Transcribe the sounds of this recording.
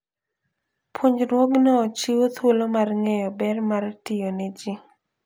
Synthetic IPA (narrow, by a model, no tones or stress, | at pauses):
pʰoɲɾwɔɡnɔt͡ʃiwot̪wolomarŋɛjɔbɛrmartɪjonɛd͡ʒi